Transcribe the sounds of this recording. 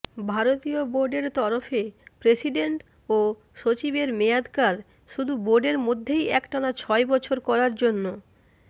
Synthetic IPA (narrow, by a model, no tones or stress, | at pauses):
bʱaɾot̪ioboɾɖeɾt̪ɔɾofepɾesiɖeɳʈ | o | ʃot͡ɕibeɾmejad̪kaɾ | ʃud̪ʱuboɾɖeɾmod̪ʱːejɛkʈaɾat͡ɕʰɔebɔt͡ɕʰoɾkɔɾaɾd͡ʑonːo